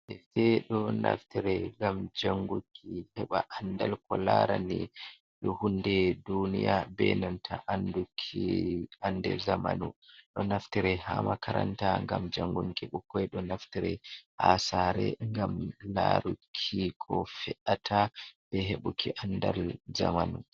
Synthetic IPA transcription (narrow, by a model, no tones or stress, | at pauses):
ɛtɛɗɔna̰ftiɾɛŋɡamd͡ʒaŋɡukʰihɛɓaʔandalkɔlaɾani | ɗɔhundɛdunijabɛnantʰaʔandukʰiandɛzamanuɗɔnaftiɾɛhamakʰaɾantaŋɡamd͡ʒaŋɡuŋkiɓukɔɛɗɔnaftiɾɛhasaɾɛŋɡamlaɾukʰːikʰɔfɛʔatʰab̥ɛɦeɓukʰiʔandalzamanu